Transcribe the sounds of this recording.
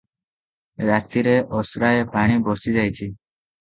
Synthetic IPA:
bak̚t̪iɾeʔɔsɾaepaɽ̃ibɔɾsid͡ʒajt͡ɕʰi

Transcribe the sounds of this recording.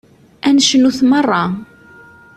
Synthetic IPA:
ænʃənuθmərˤːɑ

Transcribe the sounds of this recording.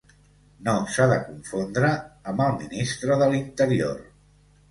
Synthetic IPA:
nosaðəkuɱfond̪ɾəːmbəlˠminist̪ɾəðəlint̪əɾior

